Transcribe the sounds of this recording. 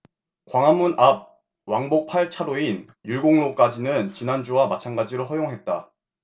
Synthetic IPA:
kwaŋɦamːunʔap̚ | waŋbok̚pʰaɭt͡ɕʰadoin | juɭɡoŋlok͈ad͡ʑinɯnt͡ɕinand͡ʑuwamat͡ɕʰanɡad͡ʑiɾoɦʌjoŋɦe̞t̚t͈a

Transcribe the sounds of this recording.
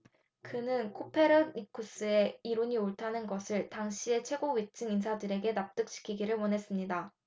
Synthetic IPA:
kɯnɯnkʰopʰe̞ɾɯmikʰus͈ɯe̞iɾoɲioɭtʰanɯnɡʌsʰɯɭtaŋɕʰie̞t͡ɕʰwe̞ɡoɥit͡ɕ͈ɯŋinsʰadɯɾe̞ɡe̞nap̚t͈ɯk̚ɕ͈i̥kʰiɡiɾɯɭmwʌnɦe̞s͈ɯmɲida

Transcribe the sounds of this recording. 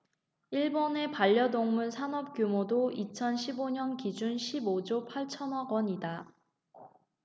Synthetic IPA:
iɭbone̞paʎːʌdoŋmunsʰanʌp̚k͈jumodoit͡ɕʰʌnɕʰiboɲʌnkid͡ʑunɕʰibod͡ʑopʰaɭt͡ɕʰʌnʌɡwʌɲida

